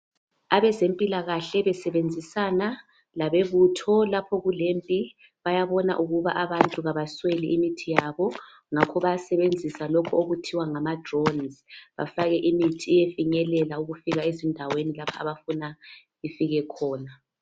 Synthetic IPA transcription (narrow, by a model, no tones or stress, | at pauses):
aβɛzempʼilaɣaɬɛβɛsɛβend͡zʱisana | laβeβutʰɔlapʰɔɣulempʼi | βajaβɔna̰ʔuɣuβaʔaβantʼuɣaβasweliʔimitʰijaβɔ | ŋakʰɔβajasɛβend͡zʱisalɔkʰɔoɣutʰiwaŋamadrɔnzβa̰faɣɛʔimitʰiːjefiɲɛlɛlauɣufiɣaezindʱawenilapʰaaβafuna | ifiɣɛkʰɔːna